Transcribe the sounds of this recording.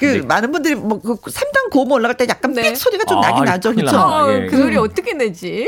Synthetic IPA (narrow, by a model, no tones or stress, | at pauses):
kɯmanɯnbundɯɾimwʌkɯsʰemdaŋkomɯʌɭːaɣaɭt͈ejak͈anesʰoɾiɡat͡ɕ͈omnaɡinad͡ʑʌkɯt͡ɕʰokɯsʰoɾiʌt͈ʌkʰened͡ʑi